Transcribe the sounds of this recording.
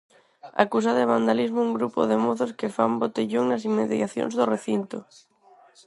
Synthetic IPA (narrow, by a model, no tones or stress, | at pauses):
a̰kus̬aðeβ̞and̪alizmouŋɡɾupo̰ðemoθoskefambot̪eʎoŋnas̬imːeðjaθjo̰nzðoreθint̪o